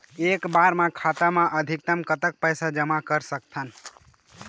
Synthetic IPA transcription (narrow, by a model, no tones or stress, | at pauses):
ekbaɾmãkʰat̪amãʔəd̪ʱik̚t̪əmkət̪ək̚pəjsad͡ʒəmakəɾsəkt̪ʰən